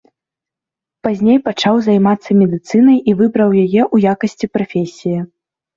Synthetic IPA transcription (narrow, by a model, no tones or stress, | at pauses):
pazʲnʲejpat͡ʂawzajmat̪sːɐmʲɛd̪ɨt̪sɨnɐjʔivɨbɾɐwjajɛʔujakɐsʲt͡sʲipɾafʲesʲiji